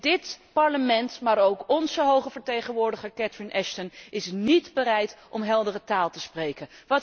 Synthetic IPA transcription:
dɪtpɑɹləmɛntmaːɾowkɔnzəɦowχəvəɹtejχənʋʊːɹdəχəɹkɛtɹɪnʔɛʃtənɪsnidbəɾɛjtʔɔmɦɛlˠdərətaːlˠtəsprejkənʋɑt

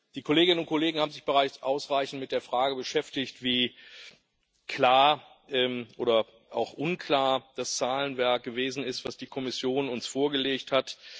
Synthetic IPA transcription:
d̥iːkʰoleːɡɪnənʊnt̚kʰɔleːɡŋ̩haːbmzɪçb̥əʁaɪt͡sʔaʊsʁaɪçn̩tmɪt̚d̥eːɐfʁ̥aːɡəbəʃɛftɪçtv̥iː | kʰlaːɐ | ʔɛːmʔoːdɐ | ʔa̰ʊxʔʊnkʰlaːɐd̥ast͡saːlənvɛɐk̚ɡ̥əveːzn̩ɪstv̥asd̥iːkʰɔmɪsjoːnʊnsfoːɐɡəleːkthat

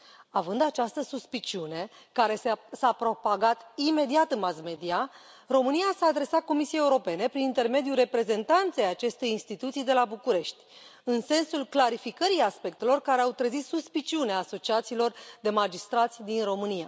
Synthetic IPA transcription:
avɨnd̪at͡ʃast̪əsuspit͡ʃiune̞ | kaɾe̞sapɾo̞paɡat̪ime̞d̪iat̪ɨnmasme̞d̪ia | ro̞mɨnijasaːd̪ɾe̞sat̪̚ko̞misiejeuɾo̞pe̞ne̞pɾinint̪e̞rme̞d̪jure̞pɾe̞ze̞nt̪ant̪sejat͡ʃe̞st̪e̞jinst̪it̪ut̪sijd̪e̞labukuɾe̞ʃt̪ʲɨnse̞nsulklaɾifikəɾiaspe̞k̚t̪e̞lo̞rkaɾe̞awt̪ɾəzit̪suspit͡ʃiuneaːso̞t͡ʃiat̪siːlo̞rd̪e̞mad͡ʒist̪ɾat̪sʲd̪inro̞mɨnija

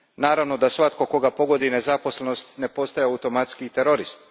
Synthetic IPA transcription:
naːɾaʋno̞d̪asʋat̪ko̞ko̞ɡapo̞ɡo̞d̪ine̞zapo̞sleno̞st̪ne̞po̞st̪ajeaut̪o̞mat̪skit̪eɾo̞ɾist̪

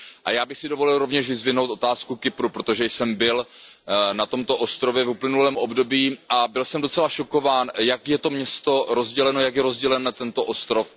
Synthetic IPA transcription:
ʔa̰jaːbɪxsɪdo̞vo̞lɪlɾo̞vɲɛʃvɪzvɪno̞wt̪o̞t̪aːskukɪpɾupɾot̪o̞ʒɛjsɛmbɪl | nat̪o̞mt̪o̞ʔo̞st̪ɾo̞vjɛvuplɪnulɛːmʔobdo̞biːʔabɪlsɛmdo̞t͡sɛlaʃo̞ko̞vaːnjakjɛt̪o̞mɲɛst̪o̞ɾozɟɛlɛno̞jakjɛɾo̞zɟɛlɛnɛt̪ɛnt̪o̞ʔo̞st̪ɾo̞f

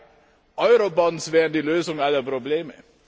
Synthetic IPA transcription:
ʔɔʏʁobɔnsv̥ɛːʁən̩diːløːzʊŋalɐpʁ̥obleːmə

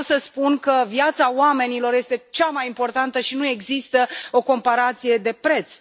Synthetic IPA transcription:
səspunkəvjat̪saoame̞nilo̞rjest̪e̞t͡ʃamajimpo̞rt̪ant̪əʃinue̞ɡzist̪əo̞ko̞mpaɾat̪sije̞d̪e̞pɾe̞t̪s

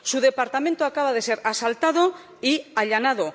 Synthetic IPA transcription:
suðe̞paɾt̪ament̪oakaβað̞e̞se̞ɾasalt̪að̞o | iaʎanað̞o̞

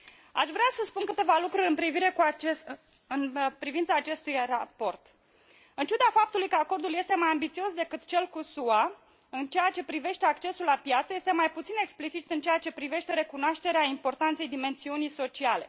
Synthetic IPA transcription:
a̰ʃvɾeasəspunkɨt̪e̞valukɾuɾʲɨnpɾiviɾe̞kue | ɨnpɾivint̪saːt͡ʃe̞st̪ujrapo̞rt̪ | ɨnt͡ʃud̪afap̚t̪ulujkəako̞rd̪ulje̞st̪e̞majambit̪sio̞sd̪e̞kɨt̪t͡ʃe̞lkusua | ɨnt͡ʃejat͡ʃe̞pɾive̞ʃt̪e̞akt͡ʃe̞sulːapjat̪səjest̪e̞majput̪sine̞ksplit͡ʃit̪ɨnt͡ʃejat͡ʃe̞pɾive̞ʃt̪e̞ɾe̞kunoaʃt̪e̞ɾeaimpo̞rt̪ant̪se̞jd̪ime̞nsiunijso̞t͡ʃiale̞̰

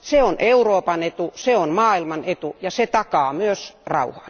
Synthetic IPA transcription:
seonʔeuroːpɑnet̪useonmɑːilmɑnet̪ujɑset̪ɑkɑːmyøsrɑ̰uhɑ̥ːn

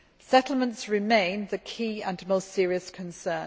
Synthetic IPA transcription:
sɛtʰˡl̩ˠmə̃ntsɹɪmẽɪ̃nðəkʰiːə̃nmoʊstsɪəɹiəskʰə̃nsɜːn

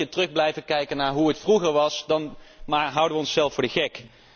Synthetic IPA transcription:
ətərɵχblɛjvəkɛjkənaːɹɦuɦətfruχəɹʋɑsdɑnmaɦʌwdəʋəɔnsːɛlˠfʊːdəχɛk

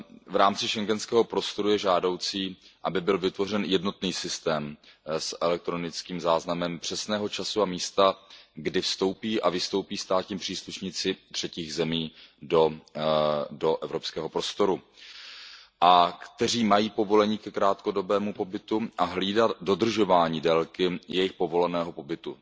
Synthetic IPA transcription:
vɾaːmt͡sɪʃɛŋɡɛnskɛːɦopɾo̞st̪o̞ɾujɛʒaːdo̞wt͡siːʔabɪbɪlvɪt̪vo̞r̝ɛnjɛdno̞t̪niːsɪst̪ɛːmsʔɛlɛk̚t̪ɾo̞nɪt͡skiːmzaːznamɛmpr̥ɛsnɛːɦo̞t͡ʃasuamiːst̪aɡdɪfst̪o̞wpiːʔavɪst̪o̞wpiːst̪aːt̪ɲimpr̝̥iːsluʃɲɪt͡sɪt̪r̝̥ɛciːɣzɛmiːdo̞ | do̞ʔɛvɾo̞pskɛːɦo̞pɾo̞st̪o̞ɾu | ʔakt̪ɛriːmajiːpo̞vo̞lɛɲiːkɛkɾaːt̪ko̞do̞bɛːmupo̞bɪt̪uʔaɦliːdat̪do̞d̪r̩ʒo̞vaːɲiːdɛlkɪjɛjɪxpo̞vo̞lɛnɛːɦo̞po̞bɪt̪u

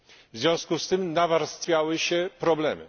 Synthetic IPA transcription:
vzʲjɔ̃w̃skust̪ɘmnavaɾst̪fʲjawɘɕɛpɾɔblɛmɘ̰

